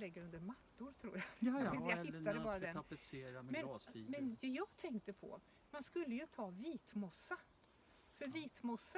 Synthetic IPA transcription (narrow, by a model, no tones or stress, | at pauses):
lɛɡːəɾɵnd̪əɾmat̪ːʊɾt̪ʰɾṵːjajahɪt̪ːad̪əbɑːɾad̪ɛnapəseːɾamɛmɛnɡ̪ɑsfiːmɛnd̪ɛjɑːɡt̪ʰɛŋk̚t̪əpʰɔ̰ | manskɵlːəjɵt̪ʰɑːviːt̪mɔsːa | fœɾviːt̪mɔsːa